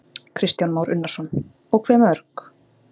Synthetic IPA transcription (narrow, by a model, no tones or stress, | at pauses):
kʰɾɪst̪janmawɾʏnːasɔn | ɔɣkʰvɛːmœɾk